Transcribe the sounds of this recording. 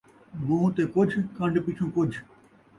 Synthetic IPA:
ɡũːt̪eːkʊd͡ʒʱkɐ̃ɳɖpɪt͡ʃʰũːkʊd͡ʒʱ

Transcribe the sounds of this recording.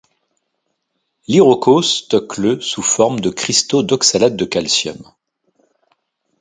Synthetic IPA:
liʁokost̪ɔkləsufɔʁmd̪əkχist̪od̪ɔksalad̪̚ːəkalsjɔ̰m

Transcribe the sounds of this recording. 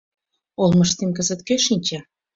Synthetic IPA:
olˠmə̆ʃt̪emkəzə̆t̪keʃinʲt͡ɕa

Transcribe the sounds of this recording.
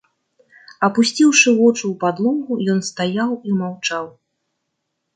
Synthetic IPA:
ɐpusʲt͡sʲiwʂɨvɔt͡ʂuwpad̪lˠɔmɣujɔnst̪ajawimawt͡ʂaw

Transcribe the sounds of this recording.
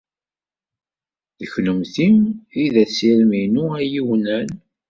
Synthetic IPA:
ðəçləmθimiðæsiɾminuæjiwnæn

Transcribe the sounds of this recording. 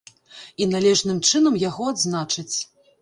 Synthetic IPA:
inalʲɛʐnɨmt͡ʂɨnɐmjaɣɔad̪znat͡ʂɨt͡sʲ

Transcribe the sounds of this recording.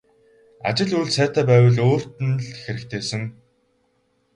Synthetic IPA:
a̰t͡ɕɪ̆ɮuɮsæːt̪aːpæːwə̆ɮoːr̥t̪ɘ̆nɮxeɾɘ̆kt̪ʰeːsɘ̆ŋ

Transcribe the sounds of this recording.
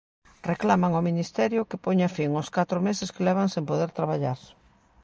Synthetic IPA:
reklamaŋominist̪ɛɾjʊkɪpoɲafiŋoskat̪ɾʊmesɪskelɛβ̞aŋsempoðeɾt̪ɾaβaʎaɾ

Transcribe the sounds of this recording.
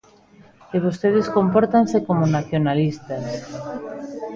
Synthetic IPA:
eβost̪eð̞eskompoɾt̪ansekomonaθjonalist̪as

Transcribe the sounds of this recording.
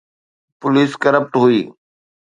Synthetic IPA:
pʊliːskəɾəp̚ʈɦʊiː

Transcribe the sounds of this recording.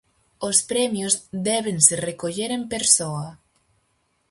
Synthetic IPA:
ospɾɛmjozd̪ɛβ̞enserekoʎeɾempeɾsoa

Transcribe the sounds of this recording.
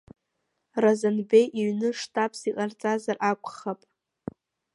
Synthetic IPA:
razanbe̞jʔiɥnɨʂtʰʼapʼʰsiqʼart͡sʼazarʔakʷʰʼχapʼ

